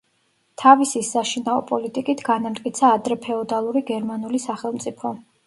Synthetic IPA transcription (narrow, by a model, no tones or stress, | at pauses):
t̪ʰavisisaʃinaɔ̰pʼɔlit̪ʼikʼit̪ʰɡ̥anamt̪ʼkʼit̪sʰaːd̪ɾɛpʰɛɔd̪alˠuɾiɡɛɾmanulisaχɛlˠmt̪sʼipʰɔ